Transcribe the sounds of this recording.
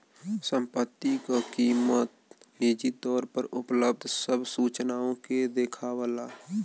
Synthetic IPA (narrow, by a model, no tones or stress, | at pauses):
sə̃mpət̪ːikakiːmət̪̚eːd͡ʒit̪ɔːɾpəɾʊpləb̚d̪ʱsəbʱsuːt͡ʃnaːõked̪eːkʰaːwəlaː